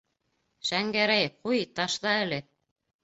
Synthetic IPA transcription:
ʃæŋɡæɾæjqujt̪ɑʃðɑɘ̆lɘ

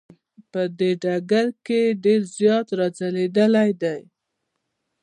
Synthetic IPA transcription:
pəd̪eɖaɡaɾkeɖeɾzjɑt̪ɾad͡zaled̪əlajd̪aj

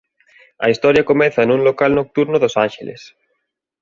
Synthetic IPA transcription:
ɐ̰ist̪ɔɾjɐkomɛθɐnũŋlokalnok̚t̪uɾnoðosãnʃelḛs

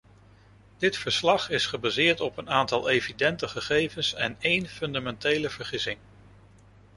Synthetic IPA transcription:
d̥ɪtfəɹslɑχɪsχəbazɪːɹtɔpənaːntɑlˠejvidɛntəχəχejvənsɛnejnfɵndamɛntejləv̥əɹχɪsɪŋ

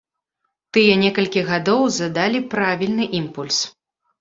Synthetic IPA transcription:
t̪ɨjɛnʲɛkɐlʲkʲiɣad̪ɔwzɐd̪alʲipɾavʲilʲnɨʔimpulʲs

